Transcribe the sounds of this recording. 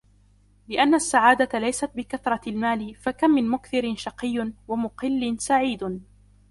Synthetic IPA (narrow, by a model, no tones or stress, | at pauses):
lɪʔanːasːaʕaːd̪at̪alajsat̪̚bɪkaθɾˤɑlmaːlɪfakamːɪnmʊkθɪɾɪnʃɑqɪjːnwamʊqɪlːɪnsaʕiːd̪